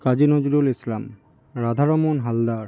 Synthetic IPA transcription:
kad͡ʑinod͡ʑuɾulislam | ɾad̪ʱaɾomonɦald̪aɾ

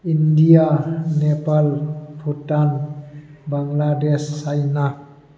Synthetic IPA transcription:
indijanepalpʰutan | baŋladesːajna

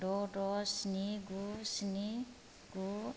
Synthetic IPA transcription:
ɖɔɖɔsniɡusni | ɡu

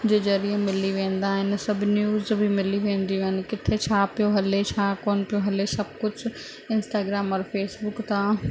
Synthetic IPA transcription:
d͡ʑeːzɐɾiəmɪliʋẽːn̆d̪aːɦɪnɪ̆sɐbnjuːzbʱimɪliʋẽːnd̪ioɦɪnɪ̆kɪt̪ʰet͡ɕʰaːpijoɦɐlet͡ɕʰaːkoːnpijoɦɐlesɐb̚kʊd͡ʑʱ | ɪ̃nsʈaːɡɾaːmɐɾfeːsbʊkt̪ʰãː

